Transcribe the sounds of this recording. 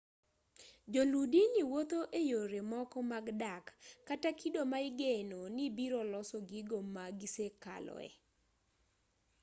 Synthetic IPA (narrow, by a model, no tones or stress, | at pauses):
d͡ʒoludiniwot̪oʔejoɾemɔkɔmaɡdakːatakʰidomaɪɡenonibiɾɔlɔsɔɡiɡomaɡiseka̰lɔ̰ɛ̰